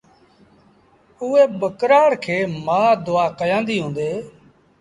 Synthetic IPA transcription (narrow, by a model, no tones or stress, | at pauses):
ʊːeːbəkɾaːɽkʰeːmaːd̪ʊaːkəjãːnd̪iːɦõːnd̪eː